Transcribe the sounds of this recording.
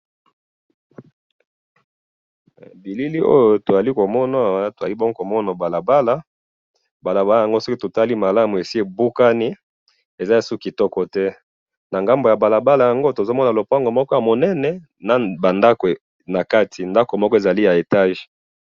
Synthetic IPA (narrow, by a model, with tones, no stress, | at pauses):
bi˨li˦li˦o̰˦jo˨to˨za˨li˦ko˨mɔ˦na˨to˨za̰˨li˦bɔ˦ɡo˦ko˨mɔ˦na˨ba˨la˨ba˦la˦ | ba˨la˨ba˦lja˨ŋɡo˦so˦ki˦to˨ta˦li˦ma˨la˦mu˨e˨si˦e˨bu˦ka˦ni˦ | e˨za˦ja˨su˦ki˨tɔ˦kɔ˨tɛ˦ | na˨ŋɡa˦mbo˨ja˨ba˨la˨ba˦la˨ja˨ŋɡo˦to˨zo˦mɔ˦na˨lo˨pa˦ŋɡo˨mɔ˦kɔ˦ja˨mo˨nɛ˦nɛ˨ | na˨ba˨nda˦ke˨ | na˨ka˦tʰi˨nda˦ko˨mɔ˦kɔ˦e˨za˨li˦ja˨e˨ta˦ʒ